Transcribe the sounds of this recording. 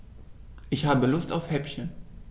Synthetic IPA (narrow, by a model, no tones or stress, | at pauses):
ʔɪçhaːbəlʊstaʊfhɛpçən